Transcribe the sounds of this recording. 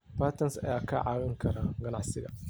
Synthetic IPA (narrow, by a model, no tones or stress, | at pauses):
paːt̪ɐnsʔɐ̰jaːkʰɐʕaːwɪŋkʰɐɾaɡɐna̰ʕsɪɡɐ̰